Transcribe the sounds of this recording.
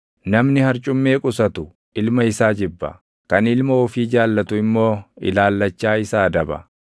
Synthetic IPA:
nɐmnɪhɐɾt͡ʃʼʊmːe̞ːkʼʊsɐt̪ʊ | ʔɪlmɐɪsaːd͡ʒɪbːɐ̰ | kɐnɪlmɐɔfiːd͡ʒaːlːɐt̪ʊɪmːo̞ːɪ̰laːlːɐt͡ʃːaːɪsaːd̪ɐbɐ̰

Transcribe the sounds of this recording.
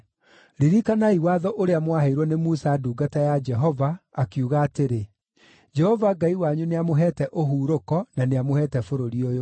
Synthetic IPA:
ɾiɾikanaiwaðɔʔoɾeamwaheiɾwɔnemusaduːɡatajad͡ʒɛɦɔvaːkiuɣaːteɾe | d͡ʒɛhɔvaɡaiwaɲuneamoɦɛːtɛʔoɦuːɾokɔnaneamohɛtɛfoɾoɾiojo

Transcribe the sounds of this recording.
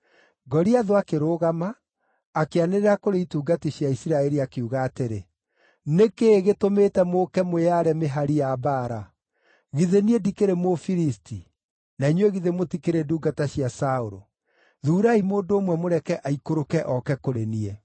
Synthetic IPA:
ɡɔɾiaðoakeɾoːɣamaː | keaneɾeɾakoɾeituːɡatiɕjaisiɾaɛɾiakeuɣaːteɾe | nekeɣetomeːtɛmokɛmoeaɾɛmeɦaɾijabaːɾa | ɣiðeniɛdikeɾemofiɾisti | naiɲweɣiðemotikeɾeduːɡataɕjasaoɾo̰ | ðuːɾaimoːndoːmwɛmoɾɛkɛʔaikoɾokɛʔɔkɛkoɾeniɛ

